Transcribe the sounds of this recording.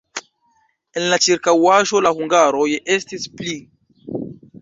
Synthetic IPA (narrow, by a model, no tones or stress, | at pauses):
e̞nlat͡ʃiɾkawaʒo̞lahuŋɡaɾo̞je̞stispli